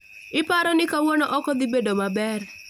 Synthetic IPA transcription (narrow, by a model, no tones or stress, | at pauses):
ɪpaɾɔnɪkawɔnɔʔɔkɔd̪ɪbedomabɛr